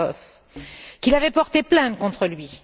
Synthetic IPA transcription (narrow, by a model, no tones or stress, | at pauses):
ɔf | kʲilavɛpɔʁt̪eplɛ̃t̪kɔ̃t̪χəlɥi